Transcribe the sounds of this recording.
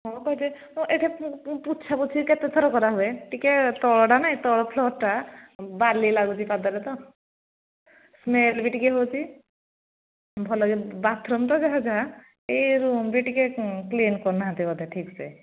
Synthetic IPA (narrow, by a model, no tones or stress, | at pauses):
ɦɔ̃kɔɦɛt͡ʃe | ɔ̃ʔeʈʰeput̪ːt͡ʃʰabɔt͡ʃʰiket̪et̪ʰɔɾɔkɔɾaɦueʈiket̪ɔɭɖanaĩt̪ɔɽɔpʰlɔʈabaɾlilaɡut͡ʃʰipad̪ɔɾet̪ɔ | smelbiʈikeɦot͡ʃʰi | bʱɔlɔɡebat̪ʰɾɔmt̪̬ɔd͡ʒaɦad͡ʒaɦa | eɾumbiʈikeklinkɔɾnaɦãt̪ibɔd̪eʈʰiksḛ